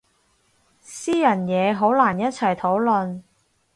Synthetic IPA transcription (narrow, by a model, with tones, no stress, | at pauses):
siː˥jɐ˨˩njɛː˨˧ɦo˨˥wlaː˨˩njɐ˥t̚t͡sʰɐ˨˩jt̪ʰo˨˥wlɵ˨˧n